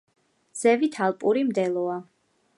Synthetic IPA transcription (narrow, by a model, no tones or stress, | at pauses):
z̥ɛvit̪ʰalˠpʼuɾimd̪ɛlˠɔa